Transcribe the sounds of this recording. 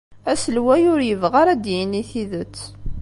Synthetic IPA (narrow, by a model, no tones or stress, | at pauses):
æsəlwæjʊɾjəvʁaɾæd̪jəniθiðət͡sː